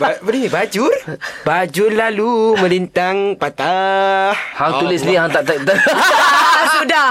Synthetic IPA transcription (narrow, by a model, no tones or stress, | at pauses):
bbədinibad͡ʒʊrbad͡ʒʊrlalumə̃lint̪aŋpat̪ahhaŋt̪ulɪsniɦaŋt̪aʔt̪ət̪ə | asudah